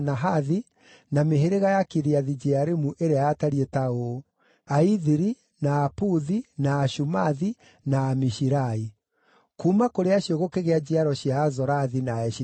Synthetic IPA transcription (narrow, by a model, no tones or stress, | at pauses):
naɦaði | nameɦeɾeɣajakiɾiaðid͡ʒeaɾemuʔeɾeaataɾietao | aiðiɾi | naːpuðinaːʃumaði | naːmiʃiɾai | kumakoɾeaɕioɣokeɣead͡ʑeaɾɔɕjaːzɔɾaðinaɛʃi